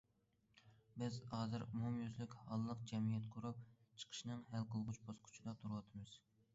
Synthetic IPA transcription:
bɪzhɑːzɨɾuhumjyzlykʲhɑlˠːəq̚d͡ʒɛmijɛt̪qʰʊɾup̚t͡ʃʰə̥qʰə̥ʃinɨŋɦælqʰəlˠʁʊt͡ʃbosqʰʊ̥t͡ʃʰid̪ɑt̪ʰuɾwɑt̪ʰɨmɨz̥

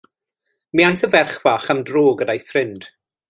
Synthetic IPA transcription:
miajθəvɛrχvaχamdroːɡədajfrɪnd̥

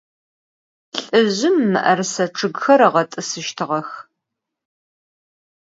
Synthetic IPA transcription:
ɬʼɨʑɪmːɨ̰ʔɐrsɐʈ͡ʂʰɨɡxɐɾɐʁɐtʼɨsɨʃtʰɨʁɐx

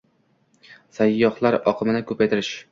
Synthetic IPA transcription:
sajːɒhlˠaɾɒqʰɨmɪnɪkʰɵpʰajt̪ʰɪɾɪʃ

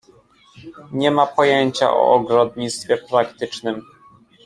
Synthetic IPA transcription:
ɲɛmapɔjɛɲt͡ɕa̰ʔɔ̰ɔɡɾɔd̪ɲit̪st̪fʲjɛpɾakt̪ɘt͡ʂnɘm

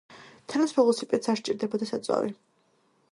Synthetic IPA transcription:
t̪ʰanat̪spʰɔlɔsipʼɛt̪saɾʃt͡ʃʼiɾd̪ɛbɔd̪asat̪sʼwa̰ɾḭ

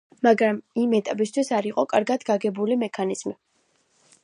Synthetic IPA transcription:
maɡɾamimɛt̪ʼapʼist̪ʰwisaɾiqʼɔkʼaɾɡad̪ɡaɡɛbulimɛkʰaniz̥mi

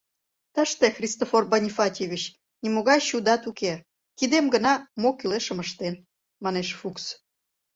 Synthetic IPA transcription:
t̪əʃt̪exrʲist̪oforbɑnʲifɑt̪ʲeβʲit͡ɕ | nʲimoɣɑjɕud̪ɑt̪uke | kid̪emɡənɑmokyleʃəməʃt̪en | mɑneʃfuks

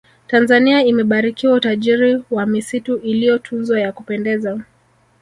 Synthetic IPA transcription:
tanzaniaimɛɓaɾikiwautaʄiɾiwamisituʔilijɔtʰunzɔjakupɛndɛza

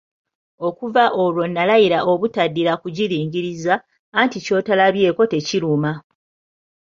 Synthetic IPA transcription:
o̞kuvaʔo̞lwo̞nːalajiɾaʔo̞βutadːiɾakuɟiɾiːŋɲɟiɾizaː | ntico̞talaβje̞ːko̞te̞ciɾuma

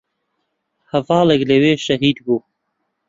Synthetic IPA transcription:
havɑːləɡleweːʃɐɦiːd̪ɡuː

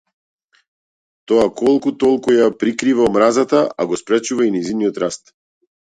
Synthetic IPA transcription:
t̪ɔakɔlˠkut̪ɔlˠkujapɾikɾivaɔmɾazat̪aʔaɡɔspɾɛt͡ʃuvainɛjziniɔt̪ɾast̪

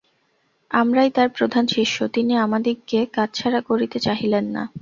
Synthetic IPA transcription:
amɾajt̪aɾpɾod̪ʱanʃiʃːot̪iniamad̪iɡkekad͡ʑt͡ɕʰaɾakoɾit̪et͡ɕaɦilenːa̰

